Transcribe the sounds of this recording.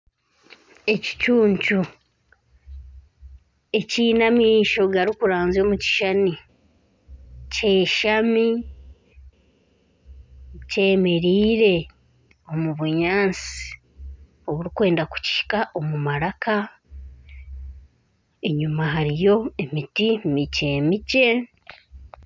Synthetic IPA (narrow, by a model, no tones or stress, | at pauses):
e̞ci̥t͡ʃuːɲcu | e̞ciːnamiːʃo̞ɡaɾikuɾaːnzo̞ːmuci̥ʃani | ce̞ːʃami | ce̞ːme̞ɾiːɾe̞ | o̞muβuɲaːnt͡si̥ | o̞βuɾikwe̞ːndaku̥ci̥ʃi̥kaʔo̞mumaɾakʰa | e̞ɲumaɦaɾijo̞e̞mitimice̞ːmice̞